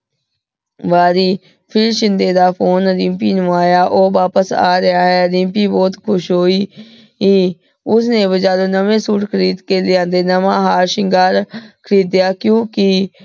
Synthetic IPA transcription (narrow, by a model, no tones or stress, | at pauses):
ʋaːɾiː | pʰɪɾʃɪ̃nd̪eːd̪aːpʰoːnɾɪ̃ːmpiːnũaːjaːʔoːʋaːpəsa̰ːɾəaːɦɛːɾɪ̃mpiːbɔːt̪kʰʊʃɦoːiː | ɦiː | ʊsnẽːbəd͡ʒaːloːnəʋẽːsuːʈkʰəɾiːd̪keːlɪãːnd̪eːnəmãːɦaːɾʃɪŋɡaːɾkʰəɾiːd̪ɪjaːkjõːkɪ